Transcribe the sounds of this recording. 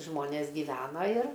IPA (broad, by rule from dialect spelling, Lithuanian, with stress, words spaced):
ˈʒmoːnʲeːs ɡʲɪˈʋʲæːnɐ ɪr